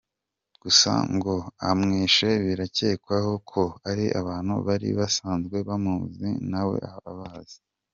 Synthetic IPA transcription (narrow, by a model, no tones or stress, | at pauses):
ɡ̥usa̰ŋɡo̞amŋiːʃeβiɾace̞ːkwaho̞kʰo̞aɾiʔa̰βaːn̥hṵβaɾḭβasaːnzɡwe̞βamuzḭnawe̞̰aβa̰βaz̥i̥